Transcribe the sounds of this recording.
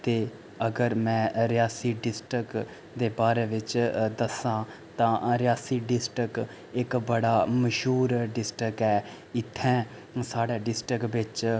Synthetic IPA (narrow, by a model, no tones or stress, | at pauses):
t̪eː | əɡəɾmɛ̃ːɾɪjaːsiːɖɪsʈɾək | d̪eːbaːɾeːʋɪt͡ʃd̪əsãː | t̪ãːɾɪjaːsiːɖɪsʈək | ɪkbəɽaːməʃuːɾɖɪsʈəkɛː | ɪt̪ʰːɛ̃ː | saːɽeːɖɪsʈɾəkʋɪt͡ʃ